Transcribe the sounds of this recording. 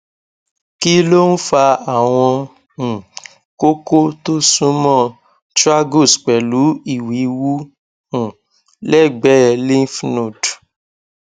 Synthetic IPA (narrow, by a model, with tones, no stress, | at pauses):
ki˦lo˦n̩˦fa˧a˦˨w̃ɔ̃˧ | ũ˨ | ko˦ko˦to˦sũ˦mɔ̃˦˨ | tɾa˦ɡo˦˨sk͡pɛ˨lu˨˦i˦˨wi˨˦wu˦ | ũ˨ | lɛ˦˨ɡ͡bɛ˨˦ɛ˧˨li˦n̩˦fno˦˨d